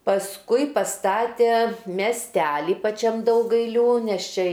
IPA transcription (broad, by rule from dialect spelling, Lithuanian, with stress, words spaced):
pɐsˈkʊɪ pɐˈstɑːtʲeː mʲɛsʲˈtʲæːlʲɪ pɐˈt͡ʃʲɛm dɐʊɡɐɪlʲˈuː nʲɛs ˈt͡ʃʲɛ